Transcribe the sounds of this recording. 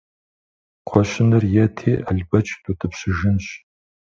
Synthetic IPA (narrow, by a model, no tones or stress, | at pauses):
qʷʰɔɕɪnɨrjɛtʰḛːʔɐɮbɐt͡ʃʼtʼutʰɨpsɨʒɪnɕ